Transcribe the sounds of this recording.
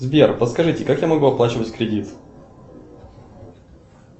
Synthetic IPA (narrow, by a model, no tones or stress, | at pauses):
zbʲerpəskɐʐɨtʲɪkakjamɐɡuɐplˠat͡ɕɪvətʲkɾʲɪdʲit̪